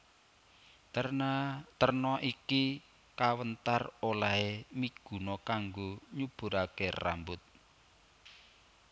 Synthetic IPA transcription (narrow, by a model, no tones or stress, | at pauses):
t̪ərnɔʔiki | kawənt̪arolaɦemiɡ̥ṳnɔkaŋɡoɲub̥ṳɾakera̰mbʊt̪̚